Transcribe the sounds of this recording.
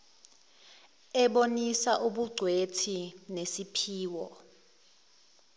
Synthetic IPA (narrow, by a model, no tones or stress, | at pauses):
ɛɓonisaʔuɓuɡ͡ǀʱwetʰinesipʰiːwɔ